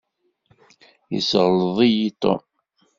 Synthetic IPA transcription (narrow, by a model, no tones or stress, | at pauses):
jḭsʁləðˤijit̪ˤːo̰